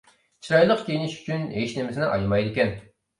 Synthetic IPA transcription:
t͡ʃʰiɾɑjlˠəqkʲejinɪʃy̥t͡ʃʰyneʃnɪmɪsɪnɪʔɑ̰jmɑjd̪ɪkʲɛn

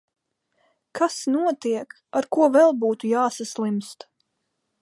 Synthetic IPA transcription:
kʰasnuɔt̪iɛk | aɾkuɔvɛlˠbuːt̪ujaːsaslˠimst̪

